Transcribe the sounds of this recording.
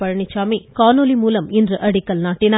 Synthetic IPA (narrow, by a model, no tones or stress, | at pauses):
pɐɻɐɳɪt͡ʃːaːmikaːnolimuːlɐmɪndrɯʔɐɽɪkːɐlnaːʈːɪnaː